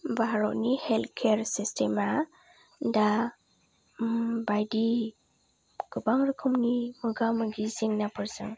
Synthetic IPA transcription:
baɾɔtniheltkʰeɾsistʰema | da | bajdi | ɡ̥ɯbaŋɾɯkʰɯmnimɯɡamɯɡiziŋnapʰɯɾzɯŋ

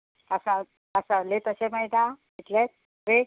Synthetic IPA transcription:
əsa | əsalet̪əɕeməjd̪aɡit̪let̪̚ | ɾe

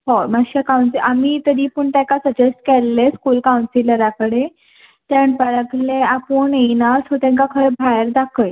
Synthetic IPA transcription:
homaɕakawnsiʔamiːt̪əɾiːpəɳʈ̪ãkasəd͡ʑesʈkɛlːeskuːlkawnsiləɾakəɽe | t̪ãɳpəɾəkʰleapuɳenasɦot̪ãŋkakʰəɾbʱajəɾd̪akʰəj

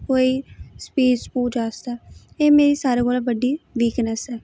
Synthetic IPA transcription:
koːiːspiːspuːd͡ʒaːst̪aːeːmeːɾiːsaːɾeːkoːlabəɖiːʋiːknəsɛː

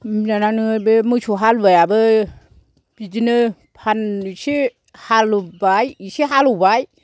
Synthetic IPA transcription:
mnananɯbɯmɯsuɦalbɯjabɯ | b̥id͡ʒinɯ | pʰansi | halubajisiɦalubaj

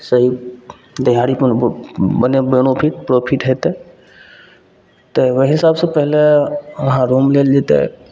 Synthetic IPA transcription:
səɦi | d̪ɪɦaːɽip | bənebenopʰiʈpɾoːpʰiʈɦeːt̪e | t̪eʋeɦɪsaːbsepɛɦleɦãɾoːmleːld͡ʒet̪ḛ

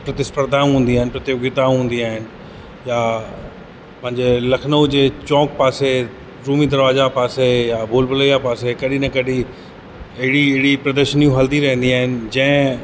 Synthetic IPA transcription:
pɾɐt̪ɪspəɾd̪ʱaːũɦũːnd̪iaːɦɪnɪpɾɐt̪jʊɡɪt̪aũɦũːnd̪iaːɦɪnɪ̆ | ja | pɐ̃ɦɪ̃ɲd͡ʑelɐkʰnəd͡ʑeːt͡ɕɔ̃ːk̚paːse | ɾuːmid̪ɐɾʋaːzapaːsejaːbʱoːlbələjapaːsekɐɗinɐkɐɗi | ɐɦɪɽiɪɦɪɽipɾɐd̪əɾʃənijũɦɐld̪iɾɐɦə̃nd̪iaːɦɪnɪ̆d͡ʑɐ̃ɦɪ̃

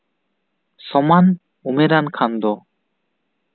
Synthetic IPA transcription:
sɔman | umeɾankʰand̪ɔ

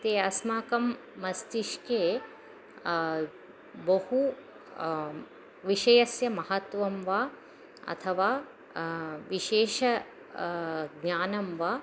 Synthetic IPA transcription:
t̪eːɐsmaːkɐmː | ɐst̪iʃkeː | bɐhu | ʋiʃɐjɐsjɐmɐɦɐt̪ʋɐmʋaː | ɐ̰t̪ʰɐʋaː | ʋiʃeːʃɐ | ɡɲaːnɐmʋaː

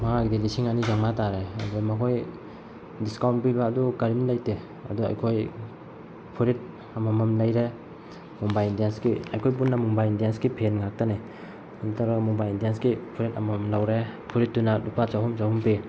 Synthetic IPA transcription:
maŋaɡidilisiŋanizaŋmataɾeɐ̰dumɐkʰoj | diskawntpibaːdukaɾimlajte | ɐ̰dua̰jkʰoj | pʰuɾit̚ | amamamlajɾe | mubajndiensɡiajkʰojp̬unːamubajindijensɡipʰenŋak̚tane | adutʰaɾaɡmubajindiensɡipʰuɾeta̰mamlawɾepʰuɾit̚ːunalupat͡ʃawɦumt͡ʃawhumpi

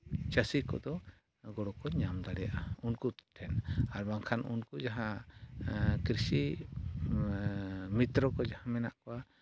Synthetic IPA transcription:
t͡ʃəsikɔ̰d̪ɔ | ɡɔɽɔkɔɲamd̪aɽɛjaʔaunkut̪ʰɛnaɾbaŋkʰanʔunkud͡ʒaɦã | kɾisi | mit̪ɾɔkɔd͡ʒahãmɛnaʔkɔa

